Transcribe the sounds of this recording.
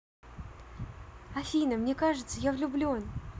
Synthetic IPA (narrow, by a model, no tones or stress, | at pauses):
ɐfʲinəmnʲekaʐɨt̪səjavlʲʊblʲuon